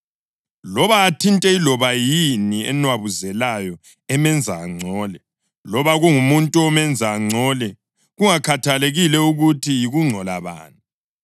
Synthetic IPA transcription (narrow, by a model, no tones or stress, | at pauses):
lɔβaːtʰintʼɛilɔβajiniɛ̰nwaβuzɛlajɔ | ɛmɛnd͡zʱa̰ːŋ͡ǀʱɔːlɛ | lɔβaɣuŋumuntʼuɔmɛnd͡zʱaːŋ͡ǀʱɔːlɛ | ɣuŋakʰatʰaleɣilɛuɣutʰijiɣuŋ͡ǀʱɔla̰βa̰ːnʼu